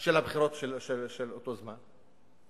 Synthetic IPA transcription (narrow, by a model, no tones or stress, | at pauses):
ʃelhabχiɾo̞t̪ʃelʃelʃelot̪o̞zman